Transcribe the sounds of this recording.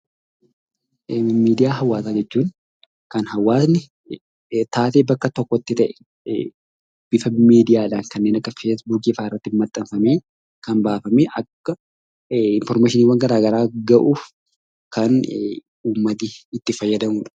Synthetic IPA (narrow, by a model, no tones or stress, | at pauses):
miːd̪ɪjaːɦɐwːaːsaːd͡ʒɛt͡ʃːuːn | kɐnhɐwːaːsnɪ | t̪aːt̪eːbɐkːɐt̪ɔkːɔɪt̪ːɪt̪ɐʔɛ̥ | b̥ɪfɐmɪmiːd̪ɪjaːlaːŋkɐnːeːnɐkːɐfeːs̬buːk̬iːfaːɪrːɐt̪ːɪnmɐt̪ʼːɐmfɐmeː | kɐnbaːfɐmeʔɐkːɐ | ɪnfɔɾmaːʃɪniːwɐŋɡɐɾaːɡɐɾaːɡɐʔuːf | kɐn | uːmːɐt̪iɪt̪ːɪfɐjːɐd̪ɐmuːᶑ